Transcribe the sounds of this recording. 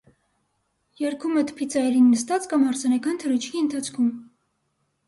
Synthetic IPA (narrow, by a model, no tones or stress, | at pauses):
jɛɾkʰumət̪ʰpʰit͡sʰɑɛɾinːəst̪ɑt͡skɑmhɑɾt͡sʰɑnɑkɑnt̪ʰəɾut͡ʃʰkʰiənt̪ʰɑt͡sʰkʰum